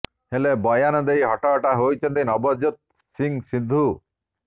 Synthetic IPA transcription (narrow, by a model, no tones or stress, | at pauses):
helebɔjanɔd̪ejɦɔʈɔʈaɦojt͡ʃʰɔnt̪inɔbɔd͡ʒut̪̚ | siŋsid̪ʱu